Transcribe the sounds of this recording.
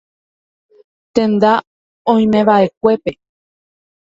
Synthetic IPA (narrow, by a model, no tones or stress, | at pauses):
t̪ẽ̞nd̪a | õj̃mẽ̞βaʔe̞k̚ʷe̞pe̞